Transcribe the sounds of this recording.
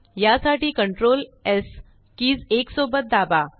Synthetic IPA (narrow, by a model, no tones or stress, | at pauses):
jasaʈiːkəɳʈɾoːles | kiːd͡zeksobət̪̚d̪aba